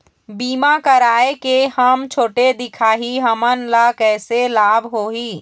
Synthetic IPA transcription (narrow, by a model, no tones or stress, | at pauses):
biːmakəɾaːekehəmt͡ʃʰoːʈed̪ɪkʰaːɦiɦəmənlakɛːselaːbʱɦoːɦiː